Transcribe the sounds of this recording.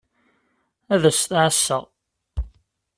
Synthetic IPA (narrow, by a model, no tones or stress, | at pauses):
æðəsθʕəsːəʁ